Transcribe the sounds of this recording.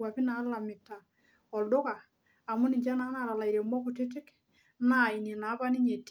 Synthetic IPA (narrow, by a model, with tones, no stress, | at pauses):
a˨pi˦na˨˦la˨mɪ˨ta˨ | ɔ˨ldo˦kaː˨ | mʊ˦ni˨ɲd͡ʒa˦na˦na˨ɾa˨la˨iɾɛ˨mɔ˦ku˨tɪ˦t̬ɪ˦k | na˦˨i˨ne˨na˨˦pa˦ni˦ɲe˨t